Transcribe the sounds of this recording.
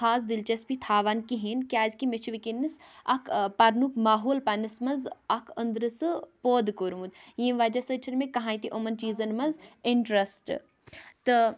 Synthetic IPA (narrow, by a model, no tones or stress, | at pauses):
aːs̬d̪ilt͡ʃɐspit̪ʰaːʋankiɦeːnkʲaːd͡ʒkimet͡ʃʰiʋikinːisɐ̰kʰpɐɾnukmaːɦoːlpɐnɐsmɐnzɐkʰənd̪ɾɨsɨpoːd̪koɾmud̪jẽːʋad͡ʒɐsət͡ʃʰɐnmekɐɦãːit̪iʔomɐnt͡ʃiːzɐnmɐnzɪɳʈɾɐsʈ | t̪ɨ